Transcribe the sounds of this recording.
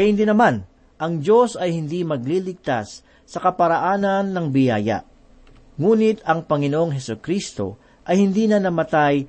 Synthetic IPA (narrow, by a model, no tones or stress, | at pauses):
kɐjɪnd̪ɪnɐman | ʔɐŋd͡ʒo̞sɐjhɪnd̪imɐɡlilɪɡ̚t̪asː | ɐkɐpɐɾɐʔaːnɐnːɐŋbɪja̰ːja̰ʔ | ŋuːnɪt̪ɐŋpɐŋɪnoʔoŋɦɛsʊkɾist̪o̞̰ | ʔɐjhɪnd̪inɐnɐmɐt̪aj